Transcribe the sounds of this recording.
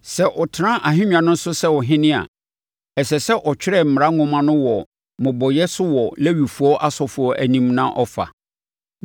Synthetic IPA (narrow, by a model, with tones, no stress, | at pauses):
sɛ˦ʔɔ˨tʰɪ˨˦ã˦ʔa˨ɦɪ̃˦ɲᶣã˨nʊ̃˦n̩˦sʊ˦sɛ˦wɔ˨ɦɪ̃˦nɪ̃˦a̰˨ | ɛ˨sɛ˨sɛ˦ʔɔ˨t͡ɕᶣɾɛ˦˨m̩˨mɪ˨ɾa˦ŋʊ̃˨mã˦nʊ̃˦wɔ˨ | mʊ̃˨bɔ˨jɛ˦sʊ˦wɔ˨lɛ˦ɥi˨fu˨ɔ˦ʔa˦sɔ˨fʊ˨ɔ˨ʔæ˨nĩ˦mnã˦ʔɔ˦fa̰˨